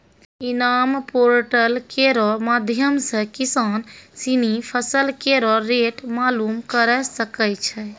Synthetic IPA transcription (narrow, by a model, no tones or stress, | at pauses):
inampoɾʈəlkeɾɔmad̪ʱjəmsə̃kisansinipʰəsəlkeɾɔɾeʈmalumkəɾɛsəkɛt͡ʃʰɛ